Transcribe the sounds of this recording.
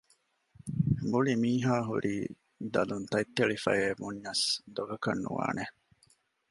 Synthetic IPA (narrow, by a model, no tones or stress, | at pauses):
buɭimiːɦaːɦuɾʔiː | d̪ɐlunt̪ɐjt̪ːeɭifɐ̰jeːbuɲːɐsd̪oɡɐkɐnːṵʋa̰ːne